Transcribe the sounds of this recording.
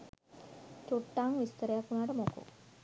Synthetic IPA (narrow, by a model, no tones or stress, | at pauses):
t͡ɕoʈːaŋʋist̪əɾjapuɽ̃aʈəmoko̰